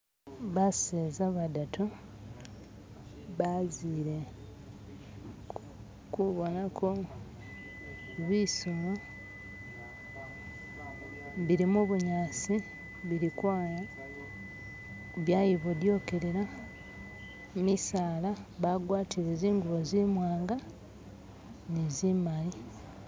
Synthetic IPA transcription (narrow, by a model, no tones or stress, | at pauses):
βaseːzaβadatu | βaziːɾe̞ | kuβo̞nakʰo | βwisola | βiɾimuβuɲaːsi | βiɾikwaːja | βjajiβodjo̞ke̞ɾeɾa | misaːlaβaɡwaːtʰiɾeziːŋɡuβo̞zimwaːŋɡa | nezimali